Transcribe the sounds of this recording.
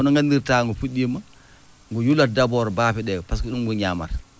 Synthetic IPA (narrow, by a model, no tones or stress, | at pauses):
ɔnɔŋɡandiɾtaːŋɡufuɗima | ŋɡujuladabɔɾbaːfiɗɛpas̬kɔɗunɡuɲama̰ɾ